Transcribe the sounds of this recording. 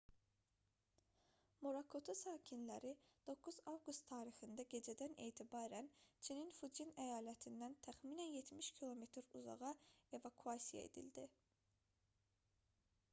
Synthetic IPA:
moɾakʰot̪ʰosaːcʰinlæɾid̪̥o̞kʰːuzavɡust̪ʰːaːɾixɯnd̪æɟe̞d͡ʒɛd̪ænḛːt̪ʰibaːɾænt͡ʃʰininfud͡ʒinæjaːlæt̪ʰind̪ænt̪ʰæχminænjet̪miʃcʰilˠo̞met̪ʰɾuzɑ̰ʁɑe̞vakʰuasija̰ḛd̪ḭld̪i

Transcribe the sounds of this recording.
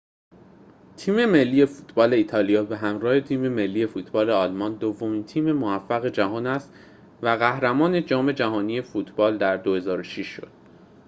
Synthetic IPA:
t̪ʰiːme̞me̞lːiːje̞fuːt̪ʰbɒːle̞iːt̪ʰɒːlijɒːbeɦæmɾɒːhe̞t̪ʰiːme̞me̞lːiːje̞fuːt̪ʰbɒːle̞ɒːlmɒnd̪ovːo̞miːnt̪ʰiːme̞moæfːæɣe̞d͡ʒæɦɒːnæst̪ | væɣæhɾæmɒːne̞d͡ʒɒːme̞d͡ʒæɦɒːniːje̞fuːt̪ʰb̥ɒːld̪æɾd̪ohe̞zɒːɾoʃiʃːo̞̰d̪̥̚

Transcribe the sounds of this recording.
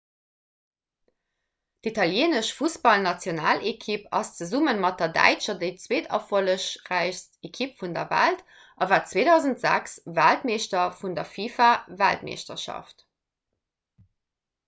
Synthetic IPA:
ditʰɑljeːnəʃfusb̥ɑlnɑt͡sjonaːlʔekʰipɑ̰st͡səzumənmɑt̚d̥ɐdæ̰ɪt͡ʃɐdeɪt͡sweːdʰɑ̰foləʃʁæɪçstekʰipfundɐ̰væ̰lt | ʔɑvaːt͡sweːdɑʊzəntz̥æ̰ksvæltmeːʃtɐfundɐfiːfavæ̰ltmḛːʃtɐ̰ʃɑ̰ft

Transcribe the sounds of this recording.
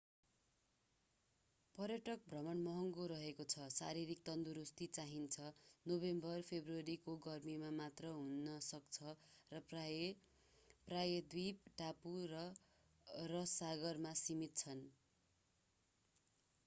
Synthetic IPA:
pʌrjʌʈʌk̚bʱrʌmʌnmʌɦʌŋɡoɾʌɦekot͡sʰʌsa̰ɾiɾik̚t̪ʌnd̪uɾust̪it͡saɦint͡sʰʌnobembʌrpʰebruʌɾikoɡʌrmimamat̪rʌɦunːʌsʌkt͡sʰʌrʌp | prajʌd̪wipʈapurʌ | rʌsaɡʌrmasimit̪̚t͡sʰʌn

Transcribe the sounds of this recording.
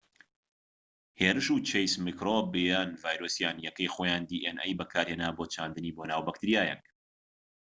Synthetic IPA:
heːɾɨʃuːt͡ʃʰejsmikɾoːbejaːnvaːjɾoːsjaːnjɛkɐjxoːjaːnd̪iːʔenɛ̰jbɐkʰaːɾheːnaːboːt͡ʃʰaːnd̪ɨniːboːnaːwbɐk̚t̪ɨɾijaːjɛ̰ŋk

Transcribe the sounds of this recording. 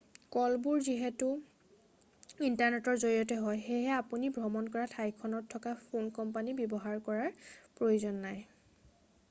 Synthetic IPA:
kɔlbuɹziɦetu | intaɹnetɔɹzoɹiɔtɛɦɔjxejɦɛapunibʱɔmɔnkɔɹatʰajkʰɔnɔtʰːɔkapʰonkɔmpanibjɔbɔɦaɹkɔɹaɹpɹojuzɔnːaj

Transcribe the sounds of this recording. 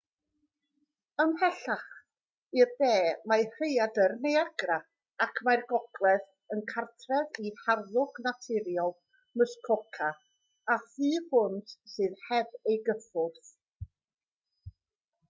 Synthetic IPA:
əmhɛɬaχ | irðeːmajr̥ejadərnejaɡra | akʰmajrɡɔɡlˠɛð | ənkʰartʰrɛðiharðʊɡnatʰɪɾjɔlˠ | məskʰɔkʰaː | θɨːhʊndsɨːðhɛbejɡəfʊrθ

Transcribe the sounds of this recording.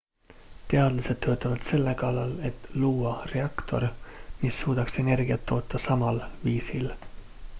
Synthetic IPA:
t̪e̞ɑd̪̥lɑse̞d̪̥̚t̪øːt̪ˑːɑvɑd̪̥se̞lːe̞kɑlːɑle̞t̪ˑluːɑre̞ɑkt̪ʰo̞̰ɾmisːuːd̪̥ɑkse̞ne̞rɡiɑt̪ʰːo̞ːt̪ːˑɑsɑmɑlviːsil

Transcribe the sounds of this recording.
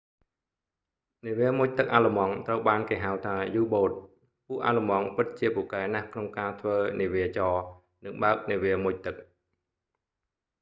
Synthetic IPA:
niəʋiəmʊc̚t̪ɨk̚ʔaːləmɑŋt̪rəwɓaːnkeːɦawt̪ʰaːjuːɓoːt̪̚ | puəʔaːləmɑŋpɨt̪̚t͡ɕiəpŭkaɛnahkʰnoŋkaːt̪ʰʋəːniʋiət͡ɕɑː | nɨŋɓaək̚niəʋiəmuc̚t̪ɨk̚

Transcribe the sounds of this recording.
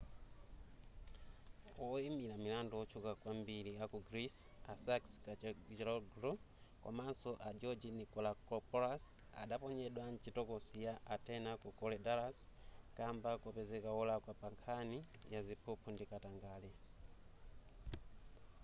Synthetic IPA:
ɔimilamilandɔɔt͡ʃʰukakwambiliakuɡɾisasakskat͡ʃɾɔɡɾɔ | kwa̰mansɔʔad͡ʒɔd͡ʒinikɔlakɔpɔɾas | a̰ɗapɔɲɛɗwant͡ʃitɔkɔsijaʔːtɛnakukɔlɛdaɾaskambakupɛzɛkaɔlakwapaŋkʰani | jazipʰupʰundikataŋɡaːlɛ

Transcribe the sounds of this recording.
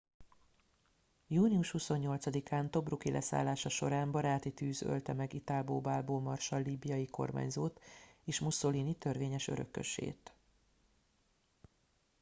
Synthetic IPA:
juːniuʃhuso̞ɲːo̞lt̪sɒd̪ikʰaːnt̪o̞brukilʔɛ̰sa̰ːlːaːʃɒʃo̞ɾaːmbɒɾaːt̪it̪yːzø̰lt̪ɛmɛɡit̪alboːbaːlboːmɒrʃɒlːiːbijɒjiko̞̰rma̰ːɲzoːt̪eːʃmuso̞liːnit̪ørʋeːɲɛʃø̞̰ɾø̞̰kːø̰ʃḛːt̪

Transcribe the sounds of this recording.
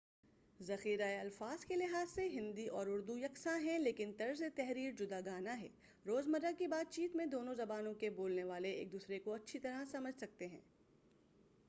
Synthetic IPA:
zɐxiːɾaeɐlfaːz̥kelɪɦaːzseɦɪ̃nd̪iʔɔːɾʊɾd̪ujɐksãɦɛ̃leːkɪnt̪ɐɾzet̪ɛɦɾiːɾd͡ʒʊd̪aɡaːnaɦɛ̰ː | ɾoːzmɐɾəkibaːt̪̚t͡ʃiːt̪mẽd̪oːnõzɐbaːnõkeboːlneʋaːleḛːk̚d̪uːsɾekoɐtːʃʰit̪ɐɾasɐməd͡ʒʱsɐk̚t̪eɦɛ̰̃ː

